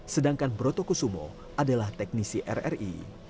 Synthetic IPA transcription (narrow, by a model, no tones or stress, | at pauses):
sədaŋkanbɾot̪okusumɔ̰ | ʔadalaht̪ɛk̚nisiʔɛ̰rɛ̰rḭ